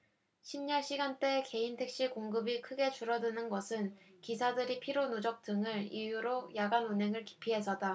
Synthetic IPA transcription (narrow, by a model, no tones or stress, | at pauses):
ɕʰimɲaɭɕ͈ʰiɡant͈e̞ke̞intʰe̞k̚ɕ͈ikoŋɡɯbikʰɯɡe̞t͡ɕuɾʌdɯnɯnɡʌsʰɯn | kisʰadɯɾipʰiɾonud͡ʑʌk̚t͈ɯŋɯɾijuɾojaɡanunɦe̞ŋɯɭki̥pʰiɦe̞s̬ʰʌda